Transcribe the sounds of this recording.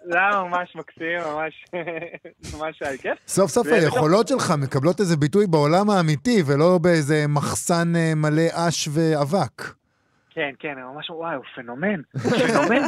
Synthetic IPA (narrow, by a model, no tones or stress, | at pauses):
lamamamaʃmaksimːamaʃ | mamaʃajkefso̞fsofajeχo̞lo̞tʃe̞lχame̞kablo̞te̞zebitujbeolamaːmitivelo̞beejze̞maχsanemale̞ʔaʃve̞avak | kenkenamamaʃwajufenomenfomen